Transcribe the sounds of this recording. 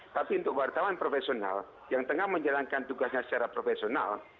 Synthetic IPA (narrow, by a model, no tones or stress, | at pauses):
t̪apiunt̪ʊk̚wart̪awanpɾofesiona̰l | jaŋt̪əŋahməɲd͡ʒalaŋkant̪uɡasɲasə̥t͡ʃaɾapɾofesiona̰l